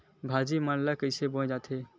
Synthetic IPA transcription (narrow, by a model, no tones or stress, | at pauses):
bʱad͡ʒimanləkəɪsebõd͡ʒat̪ʰe